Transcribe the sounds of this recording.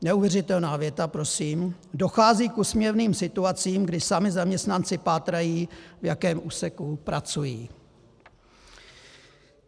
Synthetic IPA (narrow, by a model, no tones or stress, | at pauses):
nɛuvjɛrɪt̪ɛlnaːvjɛt̪apɾo̞siːm | do̞xaːziːkusmɲɛvniːmsɪt̪uat͡siːmɡdɪsamɪzamɲɛst̪nant͡sɪpaːt̪ɾajiːvjakɛːmʔuːsɛkupɾat͡sujiː